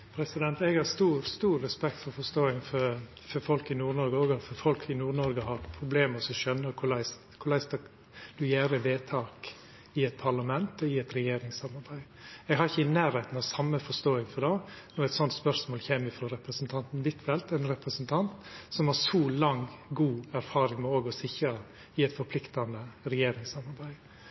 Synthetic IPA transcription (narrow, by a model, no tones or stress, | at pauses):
pʰɾɛsɪd̪ɛnt̪ɛɡhɑɾst̪uːɾst̪uːɾːɛspɛk̚t̪fɔɾfɔʂst̪oːɪŋfɔɾ | fɔɾfɔlkɪnuːɾnɔɾɡəɔːɡɔfɔɾfɔlkʰɪnuːɾnɔɾɡəhɑpʰɾʊbleːməsɔʃœnːəɾkʰʊɭæɪs | kʰʊɾlæɪsɑ | d̪̥ʉjæːɾəʋeːt̪ʰɑːk | ɪɛt̪̚pʰɑɾlɑmɛnt̪ɔɪɛt̪ɾɛjeːɾɪŋsɑmɑɾbæɪ | ɛɡhɑɾɪçəɪnæːɾɛɪt̪n̩ɑʋsɑmːəfɔʂt̪oːɪŋfɔd̪ɑː | nɔɾɛt̪sɔnt̪spœɾsmoːlçeːmɪfɾɔɾɛpɾəsnt̪ʰɑnt̪n̩ʋ̪ɪt̪ʋɛlt̪ɛɪnɾɛpɾəsənt̪ʰɑnt̪sɔmhɑʂɔːlɑŋɡuːæɾfɑːɾɪŋmɛoːɡɔsɪçɾɑ | ɪɛt̪fɔɾpʰlɪkt̪ɑnəɾɛjeːɾɪŋsɑmɑɾbæɪ